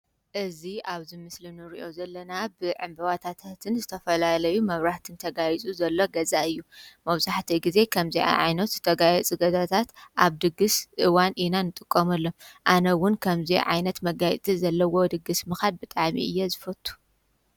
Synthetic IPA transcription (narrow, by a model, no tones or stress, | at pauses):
ʔɨziaβzimɨslinɨɾiʔo̞zɐlːɐnabɨʕɨmbɐβat̪ʰat̪ʰat̪ʰɨnzɨt̪ʰɐfɐlalɐjumɐβɾaht̪ʰɨnt̪ʰɐɡajit͡sʼuzɐlːoɡɐzaɨjːumɐβzaħt̪ʰiɡize̞kʰɐmziʕa̰ʕajnɐt̪zɨt̪ʰɐɡajɛt͡sʼɨɡɐzat̪ʰat̪ʔaβd̪ɨɡɨsʔɨwanʔinanɨt̪ʼɨkʼːɐmɐlːoʔanɐwʊnkʰɐmzḭʕa̰jnɐt̪mɐɡajt̪ʼizɐlːɐwo̞d̪ɨɡɨsmɨxad̪̚bɨt̪ʼaʕmiʔɨjːɛzɨfɐt̪ʰʼːu̥